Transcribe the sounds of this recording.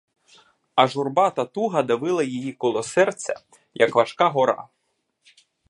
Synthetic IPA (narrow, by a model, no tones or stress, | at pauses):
ɐʒʊrbɑt̪ɐt̪uɦɐd̪ɐʋɪlˠɐjijikɔlˠɔsɛrt͡sʲːɐ̰ | jʔɐkʋɐʃkɑɦɔɾɑ̰